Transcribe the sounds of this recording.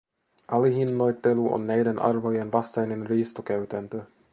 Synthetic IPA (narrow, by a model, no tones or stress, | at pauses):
ʔɑliɦinːojt̪ːeluʔo̰nːæjdenʔɑ̰rʋojenʋɑst̪ɑjninriːst̪okæɥt̪ænt̪ø